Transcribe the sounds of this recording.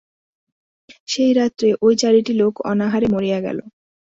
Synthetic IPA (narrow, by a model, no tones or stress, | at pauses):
ʃejɾat̪ːɾeʔojt͡ɕaɾiʈilokɔ̰naɦaɾemoɾijaɡɛ̰lo̰